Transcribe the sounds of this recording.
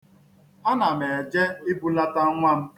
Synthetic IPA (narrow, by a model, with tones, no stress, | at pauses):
a˦na˨me˨d͡ʒe˦ɪ˦bu˦la˦ta˦ŋʷa˦m̩˦